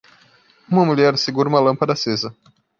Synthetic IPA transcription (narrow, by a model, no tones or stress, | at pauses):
ũmɐmuʎɛɾseɡuɾũmɐlɐ̃mpɐd̪ɐsezɐ